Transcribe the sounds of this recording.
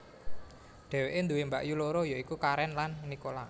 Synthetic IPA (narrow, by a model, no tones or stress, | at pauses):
ɖ̪̥ɛ̤weʔend̪uwembaʔjuloɾojoikukaɾɛnlanːikola